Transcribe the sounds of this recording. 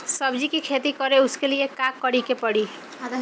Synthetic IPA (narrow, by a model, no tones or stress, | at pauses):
sʌbd͡ʒikekʰet̪ikʌɾeuskelijekakːʌɽikepʌɽi